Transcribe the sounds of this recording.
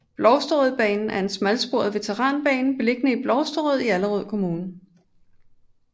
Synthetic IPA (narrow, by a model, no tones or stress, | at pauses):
b̥lɒʊsd̥ɔð̩ˠb̥ɛ̰ːnn̩ʔæɐe̝nsmælsb̥o̝ɐ̰ðˠʋe̝t͡sʰeʁɑ̰̈ːnb̥ɛ̰ːnn̩b̥e̝le̝ɡ̥nəib̥lɒʊsd̥ɔð̞̩ˠiæləʁɔð̞̰ˠkʰo̝muːnn̩